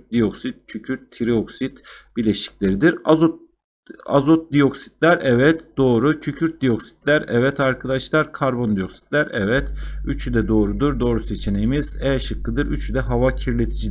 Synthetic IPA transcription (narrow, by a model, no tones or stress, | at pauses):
d̪ijoksit̪̚cʰycʰyɾt̪ʰːiɾio̞ksit̪b̥ilʲe̞ʃi̥clʲeɾid̪iɾao | a̰zot̪̚d̪ijo̞ksi̥d̪̥lʲæɾʔɛvɛt̪d̪̥o̞ːɾucʰycʰyɾt̪̚d̪ijo̞ksi̥d̪̥lʲæɾɛ̰vɛt̪ʰaɾkʰad̪aʃlˠaɾkʰaɾbo̞nd̪ijo̞ksi̥t̪lʲæɾɛvɛt̪yt͡ʃʰyd̪ɛd̪o̞ːɾud̪uɾd̪o̞ːɾuse̞t͡ʃʰe̞ne̞jimiz̥ɛʃɯkʰːɯd̪ɯɾyt͡ʃʰyd̪ɛɦavacʰiɾlʲe̞t̪ʰid͡ʒid̪